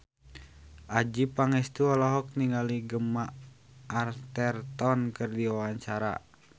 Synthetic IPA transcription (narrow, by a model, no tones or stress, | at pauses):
ʔad͡ʒipaŋɛst̪uɔlɔɦɔk̚niŋaliɡəma | ʔːrt̪ɛrt̪ɔnkɨrdiwawaɲt͡ʃaɾa̰